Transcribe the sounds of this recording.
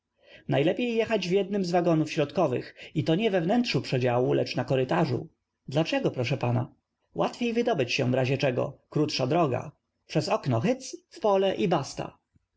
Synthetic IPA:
najlɛpʲjejːɛxad͡ʑvjɛd̪̚nɘmzvaɡɔnufɕɾɔt̪kɔvɘ̰xit̪ɔɲɛvɛvnɛnt̪ʂupʂɛd͡ʑawulɛt͡ʂnakɔɾɘt̪aʐṵ | d̪lat͡ʂɛɡɔpɾɔʂɛpana | wʔat̪fʲjejvɘd̪ɔbɘt͡ɕɕɛ̃vɾaʑɛt͡ʂɛɡɔ̰kɾut̪ʂad̪ɾɔɡa̰ | pʂɛzɔknɔxɘt̪sfpɔlɛʔibast̪a̰

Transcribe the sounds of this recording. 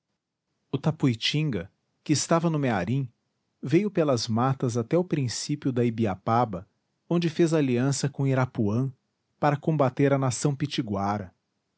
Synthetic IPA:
ʊt̪apujt͡ʃĩŋɡɐ | kɪːst̪avɐnʊmeaɾĩ | vejʊpelɐzmat̪ɐzat̪ɛʊpɾĩsipjʊd̪ɐibiapabɐ | õnd͡ʒɪfezaliɐ̃sɐkõiɾapuɐ̃ | paɾɐkõmbat̪eɾɐnasɐ̃w̃pit͡ʃiɡwaɾɐ

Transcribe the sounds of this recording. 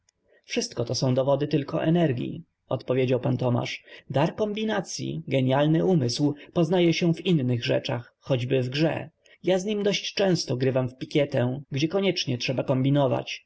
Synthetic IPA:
fʂɘst̪̚kɔt̪ɔsɔ̃w̃d̪ɔvɔd̪ɘt̪ɘlkɔ̰ʔɛ̰nɛɾɡʲjḭ | ɔt̪pɔvʲjed͡ʑawpant̪ɔma̰ʂd̪aɾkɔmbʲinat̪sʲjḭɡɛɲjalnɘʔumɘswpɔznajɛɕɛvinːɘɣʐɛ̰t͡ʂaxːɔd͡ʑbɘvɡʐɛ̰ | jazɲimd̪ɔɕt͡ɕt͡ʂɛ̃w̃st̪ɔɡɾɘvamfpʲikʲjɛt̪ɛɡd͡ʑɛkɔɲɛt͡ʂɲɛtʂɛbakɔmbʲinɔva̰t͡ɕ

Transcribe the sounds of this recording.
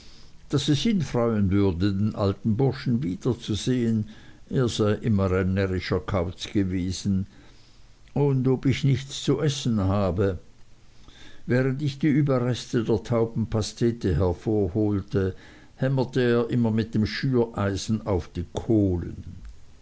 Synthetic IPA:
d̥asɛshɪnfʁɔʏənvʏɐdədenʔa̰ltn̩bʊɐʃn̩viːd̥ɐt͡suzeːəneːɐz̥aɪʔɪmɐʁɛnːɛʁɪʃɐkʰaʊt͡sɡ̥əveːz̥n̩ | ʊndopɪçnɪçt͡st͡suʔɛsn̩haːbə | vɛːʁəntɪçd̥iːyːbɐʁɛstədeːɐtʰaʊbm̩pʰastʰɛːtəɦɛɐfoːɐhoːltə | hɛmɐtəeːɐʔɪmɐmɪt̚d̥eːmʃyːɐʔaɪzn̩aʊfd̥iːkʰoːlə̰n

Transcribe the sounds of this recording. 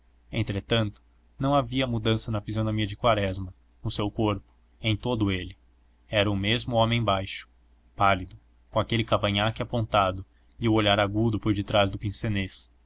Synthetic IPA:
ẽnt̪ɾet̪ɐ̃nt̪ʊ̥ | nɐ̃w̃aviɐmud̪ɐ̃sɐnɐfizionomiɐd͡ʒɪkwaɾɛzmɐ | nʊsewkoɾpʊ̥ | ẽj̃t̪od̪ʊelɪ | ɛɾɐʊmezmʊõmẽj̃bajʃʊ̥ | palid̪ʊ | kõakelɪkavɐ̃ɲakɪapõnt̪ad̪ʊ | iʊoʎaɾaɡud̪ʊpoɾd͡ʒɪt̪ɾazd̪ʊpĩsenes

